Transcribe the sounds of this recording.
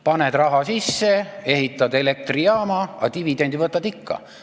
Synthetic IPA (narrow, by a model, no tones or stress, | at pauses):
pɑned̪̥ɾrɑɦɑsisːe̞e̞ɦit̪ːˑɑd̪̥ele̞k̚t̪riɑːmɑɑt̪ivid̪e̞nd̪ivɤt̪ːˑɑd̪̥ikːɑ̰